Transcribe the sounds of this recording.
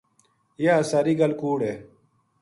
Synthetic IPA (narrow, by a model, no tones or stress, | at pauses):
jeɐsɐɾiɡɐlkuːɽe